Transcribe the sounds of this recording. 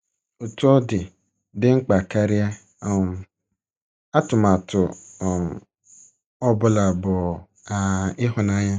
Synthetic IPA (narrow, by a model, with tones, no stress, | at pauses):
o˨tu˦ɔ˦dɪ˨ | dɪ˦ŋ͡m̩˦k͡pa˨ka˦ɾɪ˦a˦˨ | m˨ | a˦tʊ˨ma˨tʊ˨m | ɔ˦bʊ˦la˨bʊ˨ | a˨ɪ˦ɦʊ˨na˦ɲa˦